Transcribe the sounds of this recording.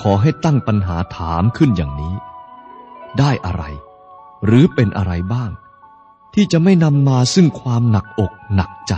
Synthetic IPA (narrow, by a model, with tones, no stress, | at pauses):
kʰɔː˩˦ɦa˥˩jt̪a˥˩ŋpa˧nɦaː˩˦t̪ʰaː˩˦mkʰɯ˥˩njaː˨˩ŋniː˦˥ | daː˥˩jʔa̰˧ɾa̰˧j | ɾɯː˩˦pe˧nʔa̰˧ɾa˧jbaː˥˩ŋ | t̪ʰiː˥˩t͡ɕa˨˩ʔma˥˩jna˧mːaː˧sɯ˥˩ŋkʰwaː˧mna˨˩k̚ʔo˨˩k̚na˨˩k̚t͡ɕa˨˩